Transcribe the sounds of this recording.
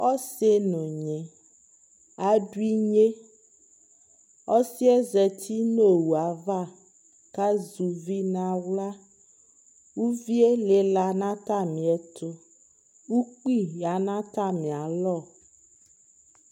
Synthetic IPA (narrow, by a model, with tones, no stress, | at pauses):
ɔ˦se˦nɔ̃˨ɲẽ˨ | a˨ɖu˦i˦ɲe˦ | ɔ˦si˦ɛ˦zɛ˨t̪ʰi˦no˦wu˨a˨va˦˨ | ka˦zu˨vi˦nã˦wla˦ | wu˦vi˦e˦le˨la˨nã˦t̪a˦˨mĩ˨ɛ˦t̪o˦ | wu˦k͡pi˦ja˨nã˦t̪a˦˨mĩ˨a˨lɔ˦˨